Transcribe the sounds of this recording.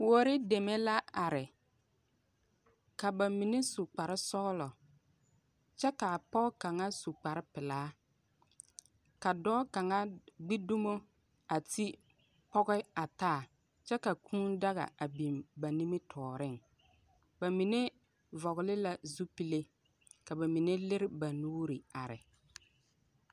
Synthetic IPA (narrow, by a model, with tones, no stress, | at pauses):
wo˨ɾɪ˦de˨me˦la˦a˨ɾɪ˨ | ka˨ba˨mi˨ne˦su˨k͡pa˨ɾɪ˦sɔ˦ɣlɔ˨ | t͡ʃɛ˦ka˨pɔ˦ka˨ŋa˦su˨k͡pa˨ɾɪ˦pɪ˨laː˨˦ | ka˨dɔː˦ka˨ŋa˦ɡ͡bi˦du˦mo˦ | a˨ti˦ | pɔ˦ɣɛ˦a˨taː˦˨ | t͡ʃɛ˦ka˨kʰũː˦nda˦ɣa̰˨a˨bi˨mba˨ni˦mɪ˦tʰɔː˨ɾɪ˦˨ŋ | ba˨mi˨ne˦ | vɔ˨ɣɪ˨lɪ˦la˦zu˦pi˦le˦ | ka˨ba˨mi˨ne˦lɪ˦ɾɪ˦ba˨nuː˦ɾi˨a˨ɾɪ̰˨